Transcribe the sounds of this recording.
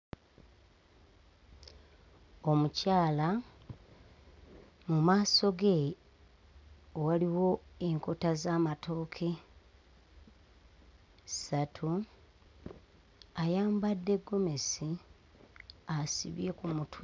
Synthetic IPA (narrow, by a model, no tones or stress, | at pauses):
o̞mucaːla | mumaːso̞ɡe | waliwo̞e̞ŋko̞tazaːmatʰo̞ːkʰe̞ | satʰu | ajaːmbadːe̞ɡːo̞me̞si | asḭβje̞kumutʰ